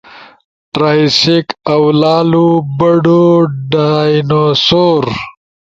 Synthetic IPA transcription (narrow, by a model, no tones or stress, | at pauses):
ʈɾaːjsikawlɑːlubɐɖoɖajnosoːɾ